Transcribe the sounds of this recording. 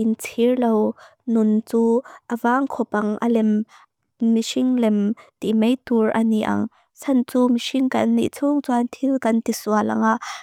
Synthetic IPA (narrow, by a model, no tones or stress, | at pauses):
ʔint͡sʰirlow | nʊnt͡suːʔəvaːŋkʰɔpɐŋʔɐ̰lɛmː | isiŋlɛmt̪imejt̪urʔɐniʔɐ̰ŋ | sʰɐnt͡suːmisiŋkɐ̰nːḭʔt͡sʰuŋt͡suant̪ʰilkɐnt̪isualɐ̰ŋaʔ